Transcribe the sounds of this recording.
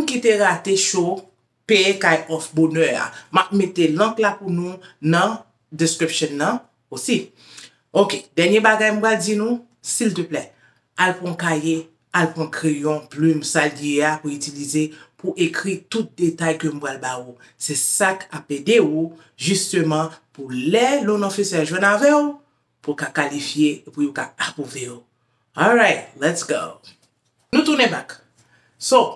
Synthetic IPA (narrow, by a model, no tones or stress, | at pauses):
m̩kiteɣateʃo | peekajɔfbonœa̰map̚metelɐ̃klapunũnɐ̃ | deskɹipʃjɔ̃nːɐ̃ | osi | okedɛʁnjebaɡajm̩pwald͡zinũ | silt̪əplɛ | alpʁɔ̃kaje | alpʁɔ̃kʁejɔ̃plymsaljeapuytilizepuʔekʁit̪ut̪̚d̪etajkømũpʁalbau | sɛsakapedeu | ʒyst̪ømɑ̃pulɛlonɔ̃fisɛʒwɛ̃navɛu | pukakalifjeepujokaapoveo | ɔlɹajt̚lɛtsɡo | nũt̪unɛ̃bak | so